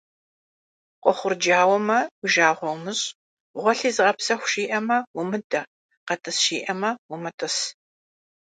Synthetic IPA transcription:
qʷɔχʷʊrd͡ʒaːwɔmɐʊʒaːʁʷɔwmɨɕʼ | ʁʷɔɬiːzɨʁɐpsɐxʷʃiːʔɐmɐwʊmɨdɐ | qɐtʰɐsʃiːʔɐmɐwʊmɐtʰɐs

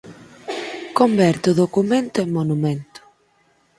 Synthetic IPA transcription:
kombɛɾt̪ʊðokument̪ʊemonumẽnt̪ʊ̥

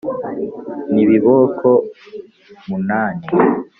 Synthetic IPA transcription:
niβiβokʰo | munaːni

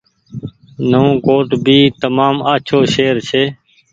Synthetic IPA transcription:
nəõːkoːʈbʱiːt̪əmaːmaːt͡ʃʰoːʃeːɾt͡ʃʰeː

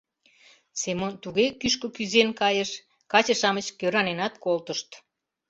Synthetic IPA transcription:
semont̪uɣekyʃkokyzenkɑjəʃ | kɑt͡ɕəʃɑmət͡ɕkøɾɑnenɑt̪kolt̪əʃt̪

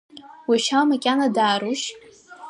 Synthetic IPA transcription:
wiʃamakʲʼanadaːɾuʃ

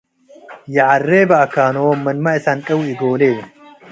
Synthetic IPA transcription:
jɐʕɐrːeːbɐɐkːaːnoːmɐnmɐɪsankʼɐwɪɡoːleː

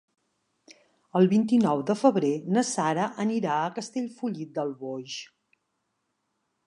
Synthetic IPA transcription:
əlˠβint̪inɔwðəfəβɾenəsaɾəʔəniɾaəkəst̪eʎfuʎit̪̚d̪əlˠβoʒ

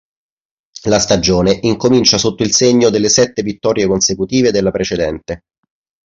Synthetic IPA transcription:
last̪ad͡ʒoːneʔiŋkomint͡ʃasot̪ːoilseɲːod̪elːesɛt̪ːevit̪ːɔːɾjekonsekut̪iːved̪elːapɾet͡ʃed̪ɛnt̪e

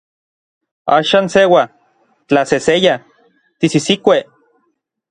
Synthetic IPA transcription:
a̰ːʃaːnsewa | t͡ɬaseseja | t̪isisikʷe

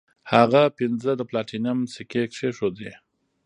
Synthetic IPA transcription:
haɣapɪnzəd̪əplɑʈinamsikekʂeʂod̪e

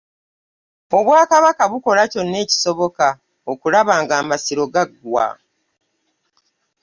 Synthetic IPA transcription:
o̞βwaːkaβakaβuko̞laco̞nːe̞ːci̥so̞βo̞ka | okulaβaːŋɡaːmasiɾo̞ɡaɡːwa̰

